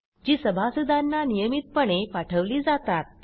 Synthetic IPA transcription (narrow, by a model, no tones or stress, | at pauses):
d͡ʑiːsəbʱasud̪ʱanːanijəmit̪̚pəɳepaʈʰəʋliːd͡zat̪at̪̚